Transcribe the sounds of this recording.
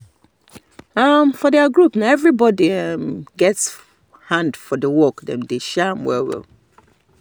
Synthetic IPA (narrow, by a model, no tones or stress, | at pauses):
amfɔdɛaɡɹupnaɛvɹibɔdiɛmɡɛts | hãndfɔdəwɔkdɛ̰̃mdeʃamwɛ̰wɛ̰l